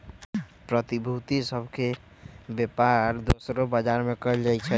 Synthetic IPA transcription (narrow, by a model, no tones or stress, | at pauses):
pɾət̪ibʱut̪isəbʱke | bepaɾd̪osɾobəd͡ʒaɾmekəld͡ʒajt͡ʃʰɛ